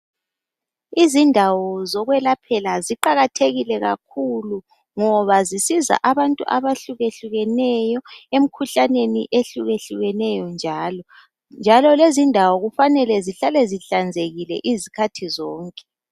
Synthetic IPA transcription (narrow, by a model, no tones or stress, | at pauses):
izindʱawɔzɔɣwɛlapʰɛlaziǃaɣatʰeɣilɛɣa̰kʰulu | ŋɔβazisiza̰ʔaβantʼṵʔaβaɬuɣeɬuɣɛnɛjɔem̩kʰuɬanenḭʔeɬuɣeɬuɣɛnɛjɔnd͡ʒʱaːlɔ | nd͡ʒʱalɔlezindʱawɔɣufanɛlɛziɬalɛziɬand͡zʱeɣilɛ̰ʔizikʰatʰizɔːŋkʼɛ̥